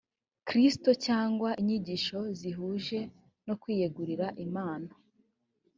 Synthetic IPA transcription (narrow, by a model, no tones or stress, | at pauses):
kɾistocaːŋɡwaʔiɲiɟiʃo̞ziɦuːʒe̞ | no̞kwiːjeɡuɾiɾaʔimaːno